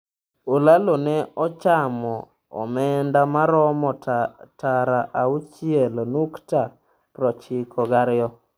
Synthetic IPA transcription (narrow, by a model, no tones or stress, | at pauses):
olalonɛɔt͡ʃamɔ | ɔ̰mɛndamaɾɔmɔtaɾaʔaut͡ʃɪɛlonukta | pɾɔt͡ʃɪkʰɔɡaɾɪjɔ